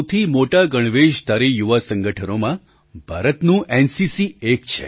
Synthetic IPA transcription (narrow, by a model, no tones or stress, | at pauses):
t̪ʰimoʈaɡəɽ̃ʋeʃt̪aɾejuʋasəŋɡəʈʰənomã | bʱaɾət̪nũʔensisiekt͡ʃʰḛ